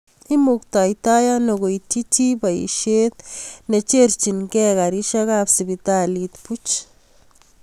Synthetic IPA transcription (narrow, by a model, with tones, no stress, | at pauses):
i˦mu˧kt̪a˨jt̪a˦ja˦no˧ɡo˨i˧t͡ʃi˦t͡ʃi˦ba˨jḭ˨ʃe˦d̪̚ne˧t͡ʃe˦ɾt͡ʃi˧˨nke˦ɡa˨ɾi˦ʃa˦ɣa˦bsi˨bi˧t̪a˦˧li˧t̪pu˦t͡ʃ